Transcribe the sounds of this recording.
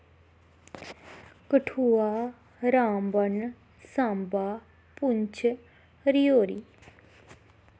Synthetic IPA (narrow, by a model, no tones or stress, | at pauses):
kəʈʰuːaː | ɾaːmbən | sãːmbaː | pʊɲt͡ʃʰ | ɾijoːɾiː